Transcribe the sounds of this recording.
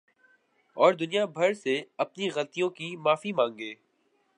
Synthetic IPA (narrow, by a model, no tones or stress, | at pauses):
ɔːɾd̪ʊnijabʱɐɾseɐp̚niɣɐlt̪ijõkimaːfimãːŋɡeː